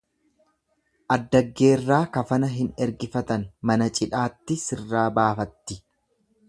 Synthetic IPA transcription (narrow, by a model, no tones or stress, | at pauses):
ʔɐd̪ːɐɡːe̞ːrːaːkɐfɐnɐɦɪnɛɾɡɪfɐt̪ɐnmɐnɐt͡ʃʼɪᶑaːt̪ːɪsɪrːaːbaːfɐt̪ːɪ